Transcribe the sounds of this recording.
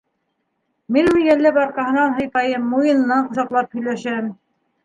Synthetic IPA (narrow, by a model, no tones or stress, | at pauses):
minwiɡælːæpɑɾqɑɦɤ̆nɑnɦɤ̆jpɑjɤmːujɤ̆nɤ̆nɑɴqŏzɑqlˠɑp̚hɵ̆jlæʃæm